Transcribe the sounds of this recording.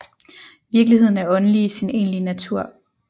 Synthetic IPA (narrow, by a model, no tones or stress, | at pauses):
ʋiɐɡ̥liɦe̝ð̞̰ˠn̩æɐɒ̽nəliːsine̝̰ːnlinæt͡sʰuɐ̰